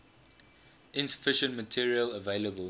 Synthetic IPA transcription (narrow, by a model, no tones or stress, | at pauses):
ʔɪ̃nsə̥fɪʃə̃ntmətʰiəɹiələveɪləbəl